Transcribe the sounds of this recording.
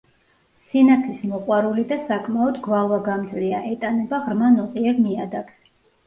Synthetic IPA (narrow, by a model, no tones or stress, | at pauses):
sinatʰismɔqʼwaɾulid̪asakʼmaɔd̪ɡvalˠvaɡamd̪zliaʔɛt̪ʼanɛbaʁɾmanɔqʼiɛɾmiad̪aks